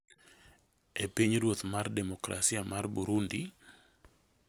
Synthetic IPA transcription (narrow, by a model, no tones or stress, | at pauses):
epiɲɾwot̪mardɛmɔkɾa̰siamarbuɾundi